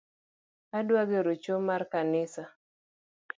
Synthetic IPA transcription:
adwaɡeɾot͡ʃomarkanɪsa

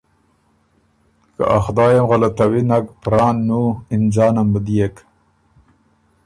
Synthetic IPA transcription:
ka̰ʔaxd̪ɑːjamɣalat̪awinakpɾɑːnːuind͡ʑɑːnambəd̪ijek

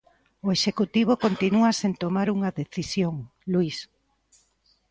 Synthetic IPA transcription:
oeʃekut̪iβ̞okont̪inuasent̪omaɾuŋɐðeθisjoŋ | luis

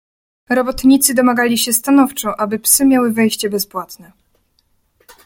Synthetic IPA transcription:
ɾɔbɔt̪ɲit̪sɘd̪ɔmaɡalʲiɕɛst̪anɔft͡ʂɔ̃ʔabɘpsɘmʲjawɘvɛjɕt͡ɕɛbɛspwat̪nɛ

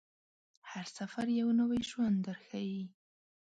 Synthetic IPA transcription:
haɾsafaɾjawnawajʒwand̪d̪əɾxaji

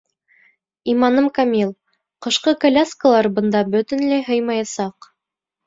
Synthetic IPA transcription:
imɑnɤmkamʲilˠ | qɤ̆ʃqɤkɐlʲaskəlˠɑɾbɤ̆nd̪ɑbɵ̆t̪ɘ̆nlæjɦɤjmɑjɑsɑq

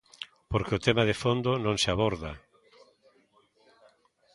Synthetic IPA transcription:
poɾkeʊt̪emaðefond̪ʊnõŋseaβoɾða̰

